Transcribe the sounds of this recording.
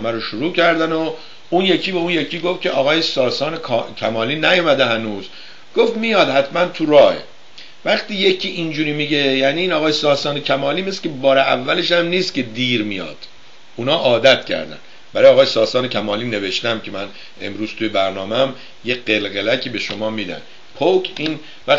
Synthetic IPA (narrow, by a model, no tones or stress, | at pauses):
æmæɾoʃuɾuːcʰæɾd̪æno | unje̞cʰiːbeunje̞cʰiːɡo̞ft̪̚cʰeʔɒːɣɒːjesɒːsɒːnekʰcʲʰæmɒːliːnæjomæd̪ehænuːz | ɡ̥o̞ft̪mijɒːd̪hæt̪mænt̪ʰuɾɒːhḛ | væχt̪iːje̞cʰiːʔind͡ʒuːɾiːmiɟe̞jæːniːnɒːɣɒːjesɒːsɒːnecʰæmɒːliːmeslebɒːɾeævːæle̞ʃæmniːscʰe̞d̪iːɾmijɒ̰ːd̪̥ | uːnhɒːʔɒːd̪æt̪cʰæ̰ɾd̪æ̰n | bæɾːjɑːɣɒːjesɒːsɒːnecʰæmɒːliːne̞ve̞ʃt̪æmcʰe̞mæn | e̞̰mɾuːz̥t̪ʰujebæɾnɒːmeæm | jeɢe̞lɣelæcʰibe̞ʃo̞mɒːmiːd̪æ̰n | pʰokʰiːn | væ